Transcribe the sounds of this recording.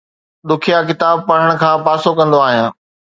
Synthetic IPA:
ɗ̪ʊkʰijakɪt̪aːb̚pɐɽ̤əɽ̃ʊ̆kʰãːpaːsokɐ̃nd̪oaːɦijãː

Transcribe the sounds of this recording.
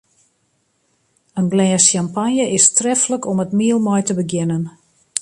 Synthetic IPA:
ənɡlɛːsampanjəʔɪstrɛfləkɔmətmiəlˠmɔjtəbəɡjɪnən

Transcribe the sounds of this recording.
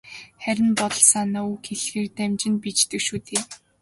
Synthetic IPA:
χæɾʲɪ̆npɔt̪ɞ̆ɮsaːnauːxeɮxeːrt̪æmʲt͡ɕɪ̆npit͡ɕt̪ɘ̆kʃuːt̪eː

